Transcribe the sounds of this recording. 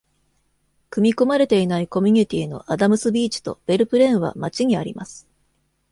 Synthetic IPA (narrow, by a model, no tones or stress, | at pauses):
kɯ̟mʲiko̞maɾe̞t̪e̞inaiko̞mʲiɲ̟it̪ʲiːno̞̰ʔad̪amɯ̟sɨbʲiːt͡ɕi̥t̪o̞̰b̥e̞ɾɯ̟pɯ̟ɾẽ̞ɰ̃βa̰mat͡ɕiɲ̟iaɾʲḭma̰sɨ̥